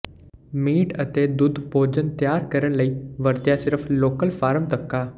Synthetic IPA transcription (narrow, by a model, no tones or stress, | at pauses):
miːʈət̪ed̪ʊd̪ʱpoːd͡ʑənt̪jaːɾkəɾəɽ̃ləiːʋəɾt̪jasɪɾfloːkəlfaːɾəmt̪əkːaː